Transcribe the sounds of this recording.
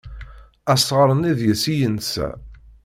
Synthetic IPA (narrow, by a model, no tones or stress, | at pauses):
æsˤʁəɾˤəniðjəsijənsæ̰